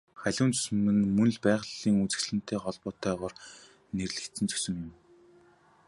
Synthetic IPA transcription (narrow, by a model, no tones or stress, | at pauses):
χæɮʲʊːnt͡sɵ̥s̆mɘ̆nmɵnɮpæːʁɮiːŋut͡sɘ̆xt͡ɕɮɘ̆n̥t̪ʰeːχɔɮpɔːt̪ʰœːʁɔːr | nerɮɘ̆kt͡s̪ɘ̆nt͡sʰɵ̥sɵ̆ŋjɪm